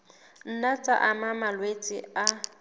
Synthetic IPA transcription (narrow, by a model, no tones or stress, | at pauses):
n̩nat͡sʼa̰ʔamamalwet͡sʼɪ̰a